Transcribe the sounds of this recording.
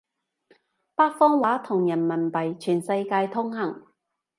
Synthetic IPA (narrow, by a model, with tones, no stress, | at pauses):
paː˥k̚fɔː˥ŋwaː˨˥t̪ʰʊ˨˩ŋjɐ˨˩nmɐ˨˩npɐ˨˩jt͡ʃʰyː˨˩nsɐ˧jkaː˧jt̪ʰʊ˥ŋhɐ˨˩ŋ